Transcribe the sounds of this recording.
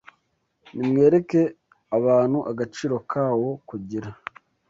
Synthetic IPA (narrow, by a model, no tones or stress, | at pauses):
nimŋe̞ːɾe̞ke̞ | aβaːn̥huʔaɡat͡ʃiːɾo̞kʰaːwo̞kuɟiɾa